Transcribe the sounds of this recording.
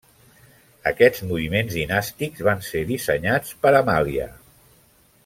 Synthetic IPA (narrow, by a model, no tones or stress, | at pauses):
ə̰kɛd͡zmuβimenzðinast̪ikzβanseðisəɲat͡spəɾəmaliə̰